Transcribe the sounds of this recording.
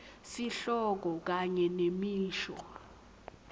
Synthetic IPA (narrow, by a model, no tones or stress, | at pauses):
siɬɔk̬ɔk̬aɲɛnemiːʃɔ̰